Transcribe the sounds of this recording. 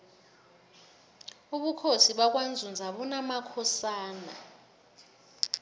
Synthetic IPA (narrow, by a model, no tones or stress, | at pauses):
uɓukʰosiɓak̬wand͡zʱund͡zʱaɓunamakʰɔsaːna